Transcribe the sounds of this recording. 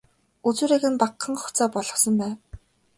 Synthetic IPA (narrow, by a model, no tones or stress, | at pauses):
ut͡suːɾeːɣɘ̆npaqːə̆ŋχʊ̥t͡saːpɔɮɞ̆sɞ̆mpæːw